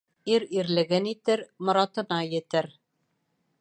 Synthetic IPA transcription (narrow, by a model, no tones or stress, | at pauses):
iɾiɾlɘ̆ɡɘnit̪ɘɾmŏɾɑt̪ɤ̆nɑjɘ̆t̪ɘɾ